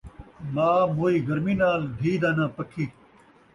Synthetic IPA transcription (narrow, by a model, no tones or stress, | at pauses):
maːmoːiːɡɐɾminaːld̪ʱiːd̪aːnãːpɐkʰiː